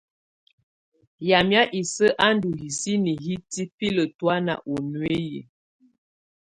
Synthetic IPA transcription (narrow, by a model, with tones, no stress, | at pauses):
ja˨mja˦ʔi˨sə˦ʔa˦ndu˨ɦi˨si˦ni˨ɦi˦ti˦pi˦lə˨twa˦na̰˨ʔo˨nwe˦jḭ˨